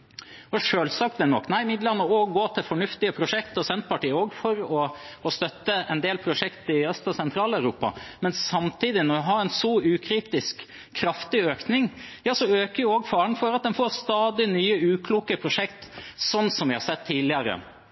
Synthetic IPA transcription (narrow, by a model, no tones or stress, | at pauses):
ɔʂøːlsɑk̚t̪d̪ɛnɔ̰kːnæɪɪmɪd̪lɑnːəoːɡɡoːt̪ʰɪlfɔɳʉft̪ɪəpʰɾʊʂɛkt̪ɔsɛnt̪̚pɑʈiːəoːɡfɔɾɔɔst̪œt̪ːəɛnd̪eːlpʰɾʊʂɛkt̪ɪœst̪ɑsɛnt̪ʰɾɑːlæʉɾuːpɑ̰mɛnsɑmt̪ʰiːd̪ɪnɔjæɦɑɾɛnsɔʉːkʰɾiːt̪ɪskʰː | ɾɑft̪ɪøːknɪŋjɑːsɔøːkəɾjʊoːɡfɑːəɳ̩fɔɾɑt̪̚d̪ɛnfoːɾst̪ɑːd̪ɪnyːəʉːkʰluːkəpʰɾʊʂɛkt̪sɔnːsɔmʋɪhɑɾsɛt̪ʰːiːlɪəɾə̰